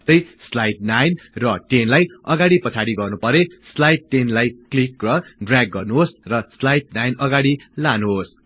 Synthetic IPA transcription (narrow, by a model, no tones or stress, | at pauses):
st̪ʌjslajʈ̚najnrʌʈenlajʌɡaɽipʌt͡sʰaɽiɡʌrnupʌɾeslajʈːenlajklikrʌɖraɡːʌrnuɦosrʌslajʈ̚najnʌɡaɽilanuɦos